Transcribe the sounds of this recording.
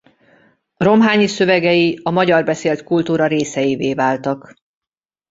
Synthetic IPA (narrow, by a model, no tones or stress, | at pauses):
ro̞mɦaːɲisø̞vɛɡɛjiɒmɒɟɒrbɛseːlt̪kult̪uːɾɒɾeːsɛjiveːvaːlt̪ɒk